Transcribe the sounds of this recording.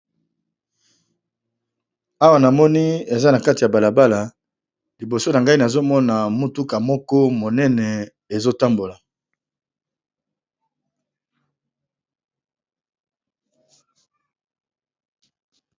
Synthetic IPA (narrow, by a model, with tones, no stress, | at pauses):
a˦wa˨na˨mɔ˦ni˦e˨za˦na˨ka˦ti˨ja˨ba˨la˨ba˦la˨ | li˨bo˨so˦na˨ŋɡa˦i˦na˨zo˦mɔ˦na˨mu˦tu˦ka˨mɔ˦kɔ˦mo˨nɛ˦nɛ˨ | e˨zo˦ta˦mbo˨la˨